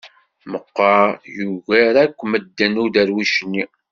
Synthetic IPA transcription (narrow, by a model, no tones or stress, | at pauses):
məqːɑjuɣæɾækʷːməd̪ːænuðæɾwiʃnːi